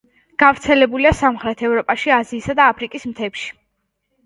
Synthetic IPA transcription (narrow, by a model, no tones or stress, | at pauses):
ɡ̥avɾt̪sʰɛlɛbuliasamχɾɛt̪ʰɛvɾɔpʼaʃiaziːsad̪aːpʰɾikʼismt̪ʰɛpʃi̥